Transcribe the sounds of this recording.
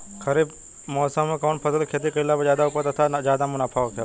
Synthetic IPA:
kɐɾiːb | mɔːsə̃mːẽkɔːnpʰɐsəlkʰeːt̪̬iqɪlːapezjaːd̪auːpəɾt̪ɐt̪ʰazjaːd̪amʊnaːpʰaʋk̪e

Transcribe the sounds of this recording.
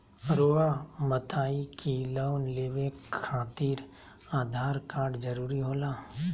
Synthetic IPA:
ɾoːamət̪aːikiloːnleːʋekʰːaːt̪iːɾ | aːd̪ʱaːɾkaːɾɖd͡ʒəɾuːɾiɦoːlaː

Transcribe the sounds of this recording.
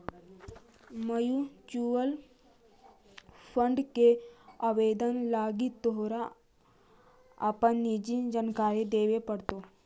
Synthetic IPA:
mɐjut͡ʃuːʋəl | pʰəɳɖkeaʋeːd̪ənlaːɡit̪ːoɦɾa | a̰pənːid͡ʒind͡ʒɐnkaːɾed̪eːʋepəɽt̪o

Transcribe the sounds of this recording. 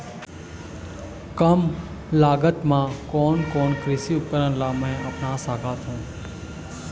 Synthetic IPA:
kəmlaːɡət̪mãkoːnkoːɳkɾɪʃiʊpːəɾənlamẽapnãsaːɡʰʱat̪ũː

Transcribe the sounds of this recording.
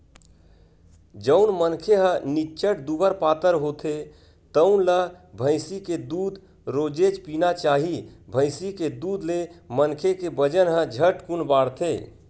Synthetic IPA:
d͡ʒəʊnmənkʰeɦə̃nit͡ʃʰəʈd̪ubəɾpaːt̪əɾɦot̪ʰe | t̪əʊnləbʱə̃ɪsiked̪uːd̪ | ɾod͡ʒed͡ʒpinat͡ʃaɦibʱə̃ɪsiked̪ud̪lemənkʰekebəd͡ʒənɦə̃d͡ʒʱəʈkunbaɽt̪ʰe

